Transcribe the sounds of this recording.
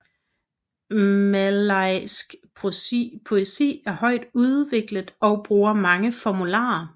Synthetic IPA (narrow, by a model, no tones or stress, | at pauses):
mælɑɪsɡ̥ʰ | pʰo̝esḭːæɐhɒ̽ɪ̰d̥uð̞ˠʋe̝ɡ̥ləð̩ˠɒ̽ʊb̥ʁuːɐmɑ̈ŋəfɒmulɑ̰̈ːɐ